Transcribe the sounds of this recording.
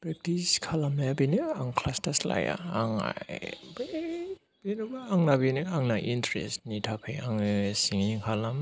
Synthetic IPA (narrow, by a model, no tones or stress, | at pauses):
pɾek̚tiskʰalamajabinɯaŋkʰlastasla̰ja̰aŋa̰jbe | b̥inubaːŋnabinɯaŋnaʔintɾḛstnitʰapʰejaŋɯsiŋiŋkʰalam